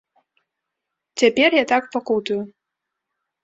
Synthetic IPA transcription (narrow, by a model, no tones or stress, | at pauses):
t͡sʲapʲɛrjat̪akpakut̪uju